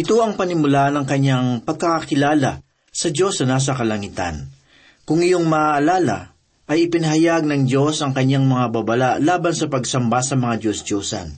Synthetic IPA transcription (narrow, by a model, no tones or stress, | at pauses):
ʔɪt̪o̞ʔɐŋpɐnɪmʊlaʔɐnɐŋkɐɲːaŋpɐɡ̚kɐkakɪlaːlɐ | sɐd͡ʒo̞snɐnaːs̬ɐkɐlɐŋit̪ɐ̰n | kʊŋɪjo̞ŋmɐʔaʔːlaːlɐ̰ | ʔɐjɪpɪnɐɦɐjaɡ̚nɐŋd͡ʒo̞sɐŋkɐɲːaŋmɐŋababɐlaʔlaːbɐnsɐpɐɡsɐmbasɐmɐŋad͡ʒosd͡ʒoːsɐ̰n